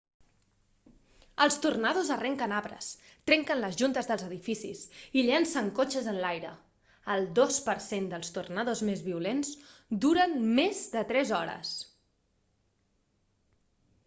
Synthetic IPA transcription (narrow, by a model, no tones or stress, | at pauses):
əlˠst̪urnaðozərɛŋkənaβɾə̰s | t̪ɾɛŋkənləzʒunt̪əzðəlˠzəðifisisiʎɛnsəŋkot͡ʃəzənlajɾə | əlˠd̪ospəɾsend̪əlˠst̪urnaðozmezβiulenzd̪uɾənmezd̪ət̪ɾɛzɔɾə̰s